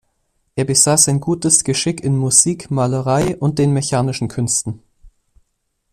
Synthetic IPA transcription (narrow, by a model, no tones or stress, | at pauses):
ʔeːɐbəzaːsaɪnɡuːtəsɡ̥əʃɪkɪnmuz̥iːkmaːləʁaɪʔʊnt̚d̥eːnmeçaːnɪʃn̩kʰʏnstn̩